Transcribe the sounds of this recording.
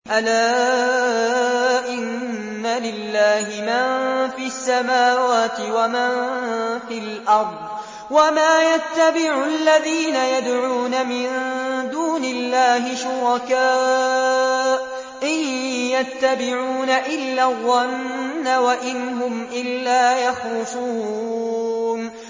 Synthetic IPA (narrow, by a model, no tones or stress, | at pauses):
ʔalaː | ʔɪnː | alɪlːaːhɪmanfiːasːamaːwaːt̪ɪwamanfilʔɑɾˤd̪ˤ | wamaːjat̪ːabɪʕʊʔalːaðiːnajad̪ʕuːnamɪnd̪uːnɪlːaːɦɪʃʊɾɑkaː | ʔ | ʔɪjjat̪ːabɪʕuːnaʔɪlːarˤːɑnːawaʔɪnɦʊmʔɪlːaːjɑxlʊsu | n